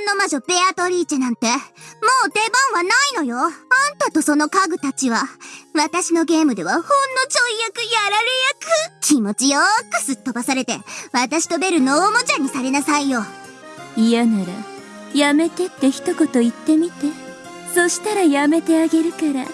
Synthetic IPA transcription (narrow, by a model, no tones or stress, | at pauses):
nːo̞maʑo̞pe̞at̪o̞ɾʲiːt͡ɕenãnt̪e̞mo̞ːt̪e̞bãɰ̃βanaino̞jo̞ãnt̪at̪o̞so̞no̞kaɡɯ̟t̪at͡ɕiβaβat̪aɕino̞ɡe̞ːmɯ̟d̪e̞βahõ̞nːo̞t͡ɕo̞ijakɯ̟jaɾaɾejakɯ̟kʲimo̞t͡ɕijokɯ̟̥sɨt̪ːo̞basaɾe̞t̪e̞̰βat̪aɕi̥t̪o̞be̞ɾɯ̟noːmo̞d͡ʑaɲ̟ːisaɾe̞nasaijo̞ | ijanaɾa̰ | jame̞t̪e̞t̪ːe̞çi̥t̪o̞ko̞t̪o̞it̪ːe̞mʲit̪e̞ | so̞ɕi̥t̪aɾajame̞t̪e̞aɡe̞ɾɯ̟kaɾa